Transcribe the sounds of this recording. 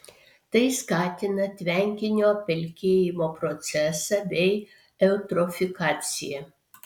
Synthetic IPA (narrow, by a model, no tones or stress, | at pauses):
t̪ɐɪskɑːt̪ʲɪnɐt̪ʲʋʲɛŋʲkʲɪnʲoːpʲɛlʲkʲeːjɪmoːpɾɔt̪sʲɛsɑbʲɛɪ | ɛʊt̪ɾɔfʲɪkɑːt̪sʲɪ̰jɛ